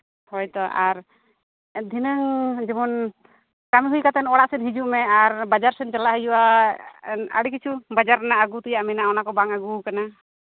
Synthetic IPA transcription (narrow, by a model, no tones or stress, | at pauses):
hɔjt̪ɔʔaɾ | d̪ʱinəŋd͡ʒɛmɔn | kamiɦujkat̪ɛnɔɽaʔsɛnɦid͡ʒuʔmɛaɾbad͡ʒaɾsɛnt͡ʃalaʔɦəjuʔa | nə̰ɽik̬it͡ʃʰubad͡ʒaɾanaʔaɡut̪ɛjaʔmɛnaɔnakɔbaŋaɡukana